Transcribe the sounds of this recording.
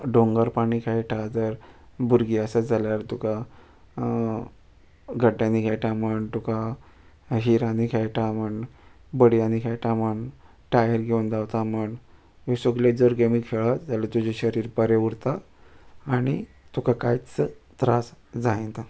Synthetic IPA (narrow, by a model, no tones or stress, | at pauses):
ɖoŋɡəɾpaɽ̃ikʰajʈʰad͡zəɾbuɾɡiasad͡zaljaɾt̪uka | ɡʱəɖjãnikʰajʈaməɳt̪uka | ɦiɾanikʰajʈʰaməɳbəɽjanikʰajʈʰaməɳ | ʈajəɾɡʱeund̪awt̪aməɳ | josoɡled͡zəɾɡemikkʰeɭad͡zalət̪ud͡ʑeɕəɾiːɾpəɾeuɽt̪aː | ɽ̃i | t̪ukʰakajt͡sət̪ɾasd͡zaẽnt̪a